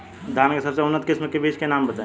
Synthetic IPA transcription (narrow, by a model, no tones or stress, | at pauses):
d̪ʱaːnkesɐbseʊnːət̪kɪsməkebiːʃkenaːmbət̪aẽ